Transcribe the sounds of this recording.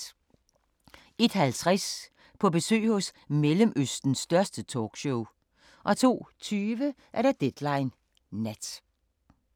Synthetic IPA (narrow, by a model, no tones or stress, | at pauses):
e̝d̥hælt͡sʰʁas | pʰɒ̽b̥e̝sø̰ːhɔ̽smeləmʔøsd̥n̩sd̥ɶɐsd̥ət͡sʰɒ̰ːɡ̥ɕoʊ | ʔɒ̽t͡sʰo̝̰ːt͡sʰyːʋə | ʔæɐɾɑd̥ed̥lɑ̈ɪnː | æd̥